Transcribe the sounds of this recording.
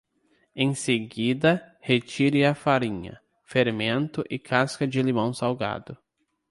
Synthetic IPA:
ẽj̃seɡid̪ɐhet͡ʃiɾɪɐfaɾĩɲɐ̰ | feɾmẽnt̪ʊʔɪkʰaskɐd͡ʒɪlimɐ̃w̃sawɡa̰d̪ʊ

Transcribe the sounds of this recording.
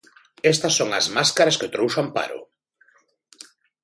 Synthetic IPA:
ɛst̪ɐsːoŋɐzmaskaɾaskeot̪ɾowʃampa̰ɾʊ̰

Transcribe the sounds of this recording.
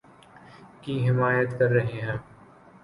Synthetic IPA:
kiɦɪmaːjət̪kɐɾːɐɦeɦɛ̃ː

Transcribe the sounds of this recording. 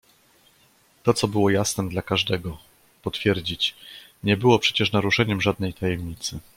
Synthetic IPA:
t̪ɔt̪sɔbɘwɔjasnɛmd̪lakaʐd̪ɛɡɔ | pɔt̪fʲjɛɾd͡ʑit͡ɕɲɛbɘwɔpʂɛt͡ɕɛʂnaɾuʂɛɲɛmʐad̪̚nɛjt̪ʰajɛmɲit̪sɘ

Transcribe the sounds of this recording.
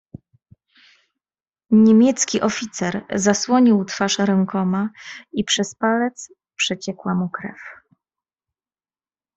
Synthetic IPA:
ɲemʲjɛt̪skʲiʔɔfʲit̪sɛɾzaswɔɲiwt̪faʂɾɛŋkɔmaipʂɛspalɛt̪s | pʂɛt͡ɕɛkwamukɾɛ̰f

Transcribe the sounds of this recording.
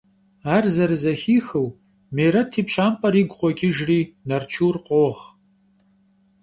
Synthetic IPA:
aːrzɐɾɨzɐxiːxɨw | mejɾɐtʰiːpʰʃaːmpʼɐɾiːɡʷqʷɔɡʲɪʒriːnɐrt͡ʃʰuːrqʷʼoːʁ

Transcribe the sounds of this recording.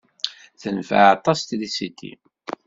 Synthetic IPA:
θənfə̰ʕɑt̪ˤːɑst̪ðisit̪ːḭ

